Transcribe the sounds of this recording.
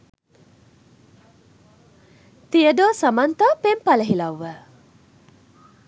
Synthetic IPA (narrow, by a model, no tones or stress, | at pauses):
t̪iədoːsamant̪apempaləɦilawːə